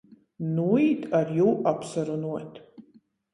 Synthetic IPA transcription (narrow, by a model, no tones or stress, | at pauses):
nuit̪ʰarjuwʔapsɐɾunuɔt̪ʰ